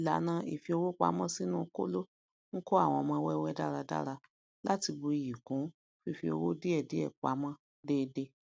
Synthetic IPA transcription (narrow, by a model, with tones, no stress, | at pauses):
la˨˦nã˧ḭ˨fi˧o˧wo˦k͡pa̰˨˦mɔ̃˦si˦nũː˦˧ko̰˦lo˦ | ŋ̩˦ko˦a˦˨w̃ɔ̃˧mɔ̃˧wɛ˦˧wɛ˦da˦ɾa˧da̰˦ɾa˧ | la˦ti˧bu˧i˨ji˨kũ˨˦ | fi˧˨fi˧o̰˧wo˦de˦ɛ˦˨de˨˦ɛ̰˦˨k͡pa̰˨˦mã˦ | deː˦˧de˧